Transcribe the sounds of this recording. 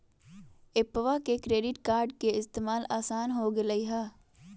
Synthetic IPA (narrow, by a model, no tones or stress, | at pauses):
epːəʋakekɾeːɖɪʈkaːɾɖkeɪst̪eːmaːlaːsaːnɦoɡeləiɦaː